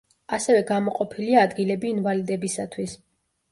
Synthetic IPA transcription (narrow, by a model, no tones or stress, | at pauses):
asɛvɛɡamɔqʼɔpʰiliaːd̪ɡilɛbiːnvalid̪ɛbisat̪ʰwis